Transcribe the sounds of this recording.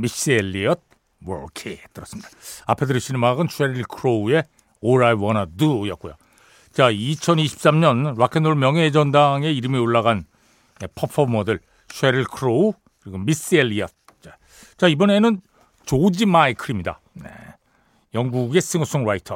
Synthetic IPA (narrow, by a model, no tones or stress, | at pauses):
mis͈elːiʌt̚ | wʌ̰ɭkʰet͈ɯɾʌs͈ɯmɲid̥ḁapʰe̞dɯɾɯɕʰinmaɡɯnɕʰweɾiɭkʰɯɾoue̞ | oɾaewʌnadɯjʌt̚k͈ojo | t͡ɕait͡ɕʰʌniɕʰi̥p̚s͈amɲʌnɾakʰenoɭmjʌŋɦed͡ʑʌndaŋe̞iɾɯmioɭːaɣan | epʰʌpʰʌmʌdɯɭ | ɕʰweɾiɭkʰɯɾou | kɯɾiɡomis͈ɯelːiʌt̚ | t͡ɕa | t͡ɕaibʌne̞nɯn | t͡ɕod͡ʑimaekʰɯɾimɲida̰ | ne̞̰ | jʌŋɡuɡe̞s͈ʰɯŋʌs͈ʰoŋɾaitʰʌ